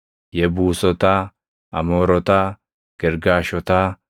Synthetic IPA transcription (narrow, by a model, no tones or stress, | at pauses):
jɛbuːsɔt̪aː | ɐ̰moːɾɔt̪aː | ɡ̥ɛɾɡaːʃɔt̪aː